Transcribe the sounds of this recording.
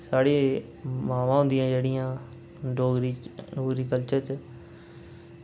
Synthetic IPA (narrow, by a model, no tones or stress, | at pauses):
saːɽeː | maːʋãːɦʊ̃nd̪ɪjãːd͡ʒeːɽɪjãː | ɖoːɡɾiɖoːɡɾiːkəlt͡ʃãt͡ʃ